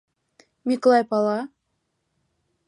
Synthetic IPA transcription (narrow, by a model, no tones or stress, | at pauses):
mʲikolˠɑjpɑlˠɑ